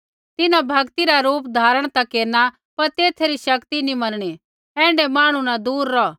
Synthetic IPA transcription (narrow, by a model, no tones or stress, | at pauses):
t̪ɪnãbʱɐɡt̪iɾaɾuːpd̪ʱaːɾəɽ̃t̪akeːɾna | pɐɾt̪eːt̪ʰeɾiʃɐkt̪inĩmɐnɽ̃i | ɛ̃ːɳɖemaːɽ̃unad̪uːɾːɔ